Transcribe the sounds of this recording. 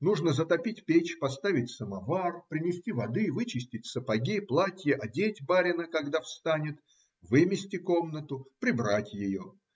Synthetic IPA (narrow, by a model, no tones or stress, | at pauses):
nuʐnəzət̪ɐpʲitʲpʲet͡ɕpɐst̪avʲɪtʲsəmɐvarpɾʲɪnʲɪsʲtʲivɐd̪ɨvɨt͡ɕɪsʲtʲɪtʲsəpɐɡʲiplˠatʲjəʔɐdʲetʲbaɾʲɪnəkɐɡd̪afst̪anʲɪt̪ | vɨmʲɪsʲtʲɪko̞mnət̪ʊpɾʲɪbɾatʲjɪjo